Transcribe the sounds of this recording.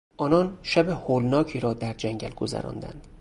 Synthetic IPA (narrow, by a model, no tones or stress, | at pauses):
ʔɒːnɒːnʃæbehoːlnɒːcʰiːɾɒːd̪æɾd͡ʒæŋɟælɡozæ̰ɾɒ̰ːnd̪æ̰nd̪̥